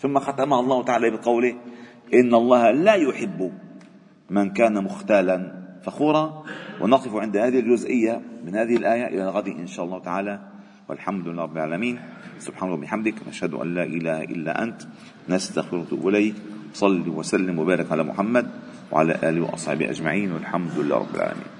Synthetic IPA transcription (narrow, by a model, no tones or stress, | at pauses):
θʊmːaxat̪amahɑlˤːɑːhʊt̪aʕaːlabɪqɑwlɪ | ʔɪnːʔɑlˤːɑːhlaːjʊħɪbːʊ | mɪnkaːnamʊxt̪aːlanfaxuːɾˤɑwʔɪnɑq̪ɨfʊʕɪnd̪ahaːðɪhɪld͡ʒʊzʔɪjːamɪnhaːðɪhɪlʔaːjaʔɪ̰lalɣad̪iʔɪ̰nʃaːʔɑlˤːɑhʊt̪aʕaːla | wɪ̰lħamd̪ɪlːɾˤɑbːɪlʕaːlamiːn | sʊb̥ħaːnwbɪħamd̪ɪknʔaʃhad̪ʊ̰ʔa̰nːaːʔɪlaːhʔɪ̰lːa̰ʔa̰nt̪ | nast̪axfɪɾʊt̪ʊ̰ʔblajkwsˤɑlːiwasalːɪmwabaːɾˤɪkʕalaːmʊ̰ħamːad̪ | wa̰ʕa̰la̰ːʔaːlɪwɪ̰ʔɑ̰sˤħɑ̰ːbɪʔa̰d͡ʒmaʕiːnwɪ̰lħamd̪ɪlːa̰ɾˤɑ̰bːɪ̰lʕa̰ːla̰mḭːn